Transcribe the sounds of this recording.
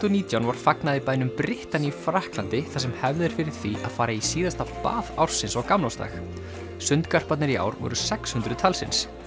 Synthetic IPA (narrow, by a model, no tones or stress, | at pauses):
t̪ɔniːt̪jawnvaɾ̥faknaðɪpaːjnʏmpɾɪht̪anifɾahklant̪ɪθas̬ɛmhɛvðɪɾ̥fɪɾɪɾ̥θiʔa̰ðfaːjɾaisiːðast̪apa̰ːða̰wɾ̥sɪnsawkamlawst̪a̰x | sʏnt̪kar̥pat̪nɪɾia̰ːwɾvɔ̰ɾʏsɛkshʏnt̪ɾʏt̪ʰalsɪ̰ns